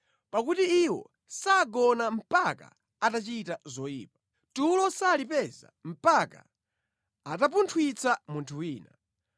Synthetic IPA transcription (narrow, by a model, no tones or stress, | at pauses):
pakutiiwɔ̰ | saɡɔnam̩paka̰ | atat͡ʃitazɔjḭːp̚a | tulɔsalipɛza̰m̩paka̰ | atap̬untʰwit͡samuntʰuwiːna̰